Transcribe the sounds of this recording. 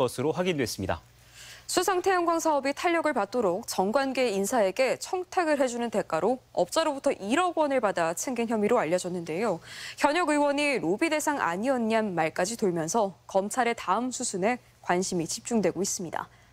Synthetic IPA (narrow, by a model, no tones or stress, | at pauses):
ʌsʰɯɾoɸwaɡindwe̞s͈ɯmɲida̰ | sʰusʰaŋtʰe̞jʌŋɡwaŋsʰaʌbitʰaʎːʌɡɯɭpat̚t͈oɾok̚t͡ɕʌŋɡwanɡe̞insʰae̞ɡe̞t͡ɕʰʌŋtʰaɡɯɭɦe̞d͡ʑunɯnte̞k͈aɾoʌp̚t͡ɕ͈aɾobutʰʌʔiɾʌɡwʌnɯɭpadat͡ɕʰeŋɡinçjʌmiɾoaʎːʌd͡ʑʌnːɯnde̞joçjʌɲʌɡɯwʌɲiɾobide̞sʰaŋa̰ɲiʌnɲanmaɭk͈ad͡ʑitoɭmjʌnsʰʌkʌmt͡ɕʰaɾe̞taɯmsʰusʰune̞ | kwanɕʰimit͡ɕip̚t͡ɕ͈uŋdwe̞ɡois͈ɯmɲida̰